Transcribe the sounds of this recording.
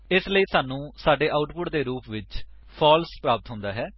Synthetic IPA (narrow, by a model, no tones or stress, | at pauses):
ɪsləiːsaːnũːsaːɖeːʔaːʊʈpʊʈd̪eːɾuːpʋɪt͡ʃ | pʰɔːlspɾaːpət̪ɦʊ̃nd̪aːɦɛː